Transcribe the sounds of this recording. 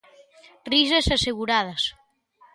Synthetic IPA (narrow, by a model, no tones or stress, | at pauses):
ris̬esaseɣuɾað̞ɐs